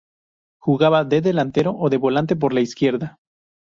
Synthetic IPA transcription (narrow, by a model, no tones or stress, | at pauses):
xuɣaβaðeðe̞lant̪e̞ɾo̞ʔoðe̞βo̞lant̪e̞p̬o̞ɾlaiskje̞ɾða